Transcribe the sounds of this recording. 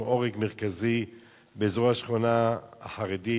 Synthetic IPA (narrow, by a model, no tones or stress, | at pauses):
ʔoʁeɡmeʁkazi | beːzʁoaʃχonaaħaʁedi